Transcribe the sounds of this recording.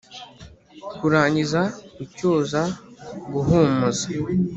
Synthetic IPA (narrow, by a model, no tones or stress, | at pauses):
kuɾaːɲɟizaucuːzaɡuɦuːmuzḁ